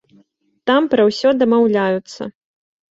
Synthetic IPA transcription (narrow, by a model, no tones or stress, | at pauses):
t̪ampɾɐwsʲɔd̪ɐmawlʲajut̪sːɐ̰